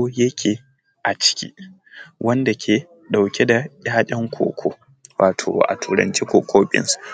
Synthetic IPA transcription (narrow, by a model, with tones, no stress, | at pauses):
o˦jɐ˦kʲʰeː˨ | ʔa˨t͡ʃɪ̥˦kʲḭː˦ | wʔɐ˦nda˨kʲʰeː˨ | ɗa˨wkʲe˦da˨jʲʼaː˦ɗʲɐ˦ŋkʷʰo̰ː˨kʷʰo̰˦ | wa̰ː˨tʰo̰ː˨ʔa̰˨tʰuː˨ɾɐ̰˨nt͡ʃi˦kʷoː˨kʰʷoː˦ɓɪ̰˦nsu̥˨